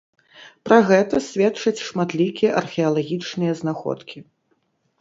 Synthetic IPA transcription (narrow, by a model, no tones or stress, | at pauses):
pɾɐɣɛt̪ɐsʲvʲɛtt͡ʂɐt͡sʲʂmat̪lʲikʲijɛʔɐrxʲɛɐlˠaɣʲit͡ʂnɨjɐznaxɔ̰t̪kʲi